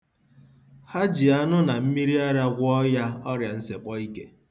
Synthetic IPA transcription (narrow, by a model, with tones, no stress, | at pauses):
ha˦d͡ʒi˨a˦nʊ˦na˨m̩˦mi˦ɾi˦a˦ɾa˦ɡʷɔ˦ja˦ɔ˦ɾja˨n̩˦se˨k͡pɔ˦i˦ke˦